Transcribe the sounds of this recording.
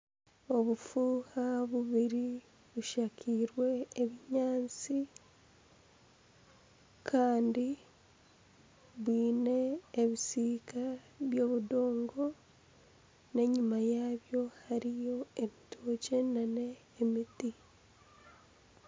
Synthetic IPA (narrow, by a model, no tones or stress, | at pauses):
o̞βufuːhaβuβiɾi | βuʃakʰiːɾwe̞ːβiɲaːnt͡si | kʰaːndi | βwiːne̞ːβisiːka | βjo̞ːβudo̞ːŋɡo̞ | ne̞ɲumajaːβjo̞haɾijo̞eβitʰoːce̞nane̞ː | miti